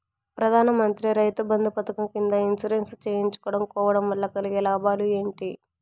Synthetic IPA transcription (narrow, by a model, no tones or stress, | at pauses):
pɾɐd̪ʱaːnɐmɐnt̪ɾiɾɐjt̪ubɐnd̪upɐt̪ɐkɐmkind̪ɐinsɐɾenst͡ʃeːjiɲt͡ʃu̥kɔːɽɐmkɔːʋɐɽɐmʋɐlːɐkɐliɡɛlaːbaːlue̞ːɳʈi